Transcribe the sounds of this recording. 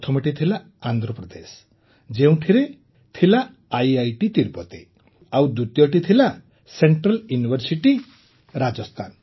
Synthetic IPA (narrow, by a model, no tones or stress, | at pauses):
t̪ʰɔmɔʈit̪ʰilaː | nd̪ʱɾɔpɾɔd̪es | d͡ʒeũʈʰiɾe | t̪ʰila | ajajʈit̪iɾpɔt̪i | awd̪ut̪jɔʈit̪ʰila | seɳʈɾɔljunibʱɔɾsiʈi | ɾad͡ʒɔst̪ʰan